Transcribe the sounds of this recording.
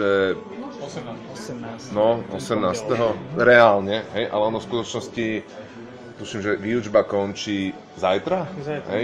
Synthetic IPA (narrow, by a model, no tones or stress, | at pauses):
ɛ | nɔʔɔ̰sɛmnaːst̪ɛɦɔɾɛalɲɛɦɛjʔa̰lɛɔnɔfskut̪ɔt͡ʃnɔsci | t̪uʃimʒɛʋiːʊd͡ʒbakɔnt͡ʃiː | zajt̪ɾaɦɛj